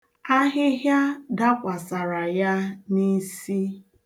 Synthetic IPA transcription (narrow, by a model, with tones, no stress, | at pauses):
a˦ɦɪ˦ɦja˦da˦kʷa˨sa˨ɾa˨ja˦ni˦si˦